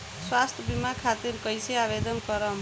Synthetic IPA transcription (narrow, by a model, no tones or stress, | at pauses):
swast̪ʰʌbimakʰat̪iɾkʌjseabed̪ʌnkʌɾʌm